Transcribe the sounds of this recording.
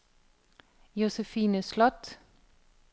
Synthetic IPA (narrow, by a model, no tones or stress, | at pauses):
jʊsəfiːnəslɔt̪